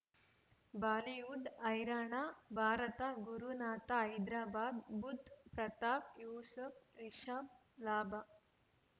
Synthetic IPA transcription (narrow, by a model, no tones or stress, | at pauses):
baːliuɖɐjɾaːɳabʱaːɾɐt̪aɡuɾunaːt̪aɐjd̪ɾaːbaːd̪bud̪ʱpɾɐt̪aːpjuːsɐfɾiʃaːb̚ | laːbʱa